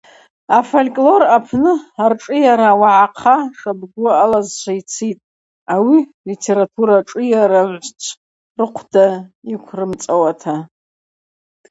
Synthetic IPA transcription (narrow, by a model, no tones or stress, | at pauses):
afolʲkʼlo̞rapʰnɨarʈ͡ʂʼɨjaɾawaʕaqʰaʂabɡʷʊaːlazʃʷʰait͡sʰitʼ | awilitʰe̞ɾatʰuɾaʈ͡ʂʼɨjaɾaʕʷt͡ʃʷʰ | rɨqʷʰdaikʷʰrɨmt͡sʼawatʰa